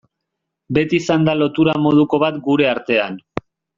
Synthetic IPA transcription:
be̞t̪iːsand̪alo̞t̪uɾamo̞ð̞uko̞β̞at̪ɡuɾe̞aɾt̪e̞an

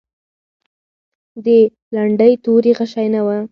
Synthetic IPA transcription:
d̪ə | laɳɖəjt̪oɾiɣaʃajnawa

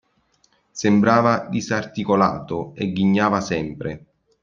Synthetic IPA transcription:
sembɾaːvad̪isart̪ikola̰ːt̪oɛɡːiɲːaːvasɛmpɾe

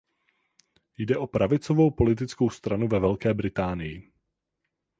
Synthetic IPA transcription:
jdɛʔo̞pɾʔavɪt͡sovo̞wpo̞lɪt̪̬ɪt͡sko̞wst̪ɾanuvɛvɛlkɛːbɾɪt̪aːnɪjɪ

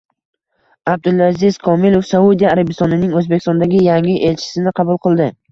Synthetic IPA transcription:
ab̚d̪ɪlˠazɪzkʰɒmilˠofsaud̪ijaːɾabɪst̪ɒnɪnɪŋɵzbekʰʲɪst̪ɒnd̪aɡʲɪjaŋɪʔe̞lt͡ʃʰɪ̥sɪnɪqʰɑbʊlˠqʰɨlˠd̪ɪ

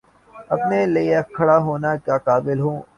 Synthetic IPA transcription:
ɐpnelikʰːɐɽaɦoːnakaːkaːbɪlɦõː

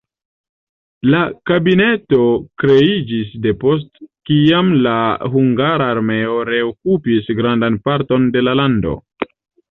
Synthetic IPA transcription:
lakabine̞to̞kɾe̞id͡ʒisde̞po̞s̬tkiamlaɦuŋɡaɾaːɾme̞o̞ɾe̞okupisɡɾandanpaɾto̞nde̞lalando̞̰

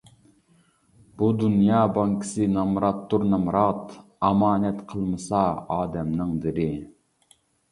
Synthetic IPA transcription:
b̥ud̪unjɑːbɑŋkʰɪ̥sɨnɑmɾɑt̪ːuɾnɑmɾɑt̪ | ɑmɑːnɛt̪qʰəlˠmɨsɑɑːd̪ɛmnɨŋd̪ɪɾɪ

